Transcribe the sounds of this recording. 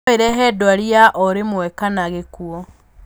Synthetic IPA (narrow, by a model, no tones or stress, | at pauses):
eɾɛɦɛdwaɾiaʔɔɾemwɛkanaɣekuɔ